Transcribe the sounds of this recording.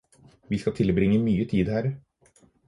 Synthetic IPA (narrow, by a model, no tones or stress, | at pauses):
ʋiːskɑt̪ʰɪlbɾɪŋəmyːət̪ʰiːd̪hæːɾ